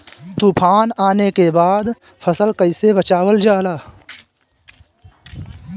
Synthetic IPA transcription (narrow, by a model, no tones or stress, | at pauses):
t̪uːpʰaːnaːnekebaːd̪ | pʰəsəlkəɪsebət͡ʃaːwəld͡ʒaːlaː